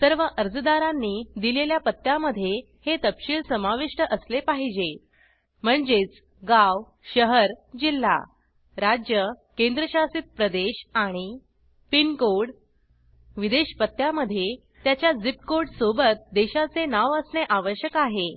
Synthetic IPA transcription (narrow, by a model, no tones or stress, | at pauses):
səɾʋəʔəɾd͡zəd̪aɾanːiːd̪ileljapət̪ːjaməd̪ʱje | het̪əpɕiːɭsəmaʋiʂʈəʔəslepaɦid͡ʑe | m̤əɳd͡ʑet͡s | ɡaw | ɕəɦəɾd͡ʑilːa̰ | ɾad͡ʑjəkend̪ɾəɕasit̪̚pɾəd̪eɕaɽ̃i | pinkoɽ | ʋid̪eɕpət̪ːjaməd̪ʱːje | t̪jat͡ɕjad͡zip̚koɽsobət̪̚d̪eɕat͡senaʋəsɳeʔaʋəɕjəkaɦe